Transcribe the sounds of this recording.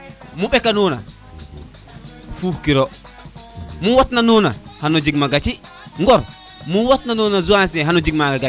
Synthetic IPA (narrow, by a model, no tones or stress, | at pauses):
muɓɛkanɔːna̰ | fuhkiɾɔ | muwɔtnanɔna̰hanɔd͡ʒiɡmaɡat͡ʃi | ŋɡɔɾ | muwɔtnanɔnazuansɛɦanɔd͡ʒiɡ̚maɡaɡa